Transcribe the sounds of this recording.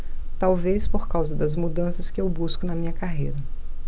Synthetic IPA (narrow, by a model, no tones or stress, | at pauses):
t̪awvespoɾkawzɐd̪ɐzmud̪ɐ̃sɐskɪewbuskʊnɐmĩɲɐkaɦejɾɐ